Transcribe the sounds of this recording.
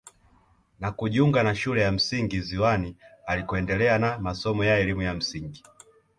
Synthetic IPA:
nakuʄiuŋɡanaʃulɛjam̩siŋɡiziwanialikɔɛndɛlɛanamasɔmɔjaɛlimujam̩siŋɡi

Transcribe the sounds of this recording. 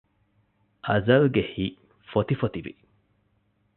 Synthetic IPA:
ʔɐzɐlɡehiː | fot̪ifot̪iʋḭ

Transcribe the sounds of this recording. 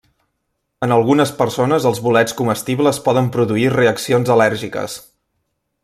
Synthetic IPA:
ənəlˠɣunəspəɾsonəzəlˠzβulɛt͡skuməst̪iβləspɔðəmpɾuðuireəksionzəlɛɾʒikə̰s

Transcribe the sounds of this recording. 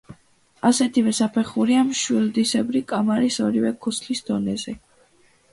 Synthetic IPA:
asɛt̪ʰivɛsapʰɛχuɾiamʃwild̪isɛbɾikʼamaɾisɔɾivɛkʰuslisd̪ɔnɛzɛ

